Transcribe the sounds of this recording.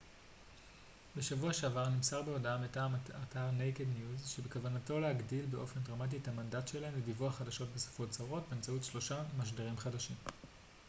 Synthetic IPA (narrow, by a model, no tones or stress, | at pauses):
beʃavuaʃeavaʁnimsaʁbeodametamatʰaʁnejkednjuzʃebekavanato̞lehaɡdilbe̞ʔo̞fendʁamat̬ithamandatʃe̞laemledivuaχadaʃo̞t̚beso̥fot͡saʁo̞t̚beːmt͡sautʃlo̞ʃamaʃ̬deʁimχadaʃim